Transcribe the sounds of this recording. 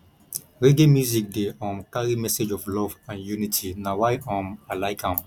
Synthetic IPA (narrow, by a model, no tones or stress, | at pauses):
ɾeɡemjuzik̚deɔ̃mkaɾimɛsed͡ʒɔflɔvãnjunitʰinãwajɔ̃malajkãm